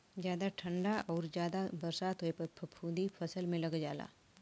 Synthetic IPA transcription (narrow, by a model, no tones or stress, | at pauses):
zjaːd̪aʈʰə̃ɳɖaʔɔːɾd͡ʒjaːd̪abɐɾsaːt̪ɦoepəpʰəpʰũːd̪ipʰɐsəlmẽlɐɡd͡ʒa̰ːla̰ː